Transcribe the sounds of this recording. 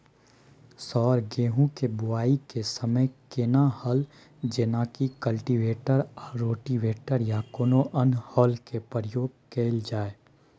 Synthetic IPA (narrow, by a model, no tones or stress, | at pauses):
sɔːɾɡeːɦũkebʊaːikesəməjkɪnahəl | d͡ʒɪnakikəlʈiʋeːʈəɾɔːɾoːʈiʋeːʈəɾjakoːnoʔənhɔːlkepəɾəjoːɡ̚keːld͡ʒaːe